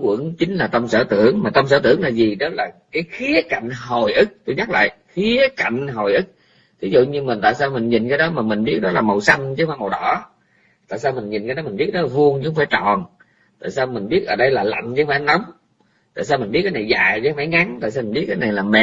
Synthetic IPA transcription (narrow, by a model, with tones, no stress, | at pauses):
kwə̰˧˥əŋt͡ɕï˨˦ŋ̟laː˨˩t̪ə˧msəː˧˩t̪ɨ̰˧˩˨əŋmaː˨˩t̪ə˧msəː˧˦t̪ɨ̰˧˩əŋlaː˨˩zi˨˩ɗɔ˨˦laː˨˩kaː˨˦jxi˨˦əka˧˨jŋ̟ɦo˨˩jʔɨ˦˥k̚t̪o˧jɲa˦˥la̰ː˧˨jxi˨˦əka˧˨jŋ̟ɦo˨˩jʔɨ˦˥k̚ | t̪ʰi˨˦zṵ˧˨ɲɨ˧mï˨˩nt̪a̰ː˧˨jsaː˧wmï˨˩ŋ̟ɲi˨˩nkaː˨˦jɗɔ˨˦maː˨˩mï˨˩ŋ̟ɓi˦˥ət̚ɗɔ˨˦laː˨˩mə˨˩wsə˧nt͡ɕə˨˧˦faː˧˦mə˨˩wɗɔ̰˧˦ | t̪a̰ː˧˨jsaː˧wmi˨˩ŋ̟ɲi˨˩nkaː˨˦jdɔ˨˦mï˨˩ŋi˦˥ət̚ɗɔ˨˦laː˨˩vu˧əŋt͡ɕʊ˧˦˥ŋ͡mfaː˧˩jt͡ɕɔ̰˧˨n | t̪a̰ː˧˨jsaː˧wmï̟˨˩ɓi˦˥ət̚ʔəː˧˩ɗə˧jlaː˨˩la̰˧˨jŋ̟zə˧˦faː˧˩˦jna˨˦wŋ͡m | t̪a̰ː˧˨s̬aː˧wmi̟˨˩ɓi˦˥t̚kːaː˨˦jna˨˩jzaː˨˩jt͡ɕːfaː˧˩jŋa˨˦ŋt̪a̰ː˧˨jsaː˧mi̟˨˩ɓi˦˥t̚kːaː˧˦jna˨˩jlaː˨˩mɛ̰˧˨